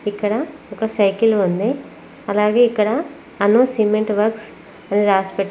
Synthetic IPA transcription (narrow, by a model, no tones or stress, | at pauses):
ikːɐɽɐɔkɐsɐjkilund̪i | ɐlaːɡe̞ːikːɐɽɐ | ɐnoːsiːmeɳʈʋɐɾks | ɐniɾaːspɛʈː